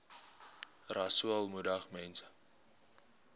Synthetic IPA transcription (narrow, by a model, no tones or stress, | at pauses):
rɐsuəlˠmudɐχmɛnsə̥